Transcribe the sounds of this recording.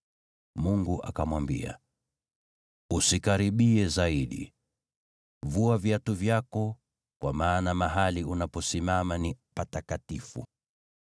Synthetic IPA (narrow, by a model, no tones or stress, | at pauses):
muŋɡuʔa̰kamwambḭa̰ | usikaɾiɓiɛzaiɗḭ | vuavjatuvjakɔ | kwa̰maːnamaɦaliunapɔsimamanipatakatifṵ